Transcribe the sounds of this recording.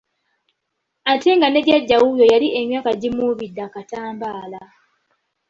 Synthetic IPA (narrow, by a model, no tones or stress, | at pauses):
ate̞ŋɡane̞ɾjaɟːawujojalie̞mjaːkaɟimuβidːakataːmbaːla